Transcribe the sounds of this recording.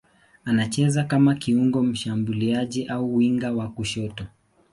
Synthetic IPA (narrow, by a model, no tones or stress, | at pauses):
anat͡ʃɛzakamakiuŋɡɔm̩ʃambuliaʄiʔauwiŋɡawakuʃɔtɔ